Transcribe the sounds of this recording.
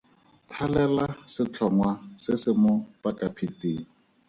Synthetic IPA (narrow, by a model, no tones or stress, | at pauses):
tʰalɛlasɪt͡ɬʰɔŋwasɪsɪmʊpakʼapʰitʼeːŋ̩